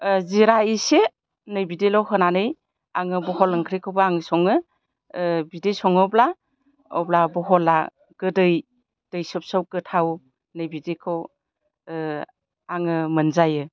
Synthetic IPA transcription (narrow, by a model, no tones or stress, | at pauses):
ziɾaise | nɯjbidelɔwɦɯnanɯj | aŋɯbɔɦɔlɯŋkʰɾikʰɯbɯaŋsɔŋɯ | bidejsɔŋɯbla | ɔblabɔɦɔla̰ | ɡ̥ɯdɯj | d̥ɯjsɯp̚sawɡɯtʰaw | nɯjbidekʰɯw | aŋɯmɯnzajɯ